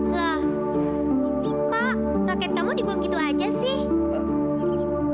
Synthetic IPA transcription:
lɔh | kaʔ | rakɛt̪̚kamudibukit̪uad͡ʒasɪh

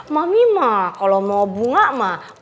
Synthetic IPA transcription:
mamimakalomabuŋaʔma

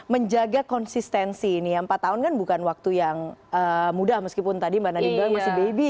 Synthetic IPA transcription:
məɲd͡ʒaɡakɔnsist̪ɛnsiːnijaəmpat̪ːaɦʊnkanbukanwak̚t̪ujaŋəmudahməskipʊnt̪adimbanadimɡamasɪhbebi

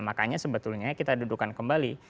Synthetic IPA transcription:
makaɲasəbət̪ʊlɲakit̪adudukankəmbali

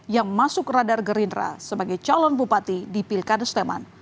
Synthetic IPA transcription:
jaŋmasʊk̚radarɡəɾindɾa̰səbaɡajt͡ʃalɔnpupat̪idipilkadəst̪ema̰n

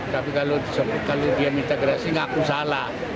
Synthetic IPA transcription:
t̪apikalodisɔkalod̪iamint̪aɡɾasiŋakusalah

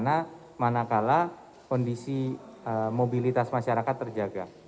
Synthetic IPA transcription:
na | manakala | kɔndisi | əmobilit̪asmaʃaɾakat̪ːərd͡ʒaɡa̰

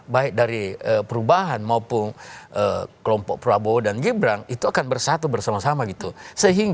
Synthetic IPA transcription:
baɪk̚daɾiəpəɾubaɦanmaupʊnʔəkəlɔmpɔk̚pɾoabodanɡibɾaŋit̪uakanbərsat̪ubərsamasamaɡit̪usəɦiŋɡ

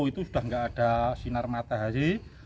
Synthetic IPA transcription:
it̪usud̥a̤hŋɡaʔːɖ̥a̤sinarmat̪aɦaɾi

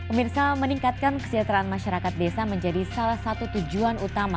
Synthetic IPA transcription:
əmirsaməniŋkat̪̚kankə̥sid͡ʒat̪ɾaanmaʃaɾakat̪̚desaməɲd͡ʒadisalahsat̪ut̪ud͡ʒuanut̪ama

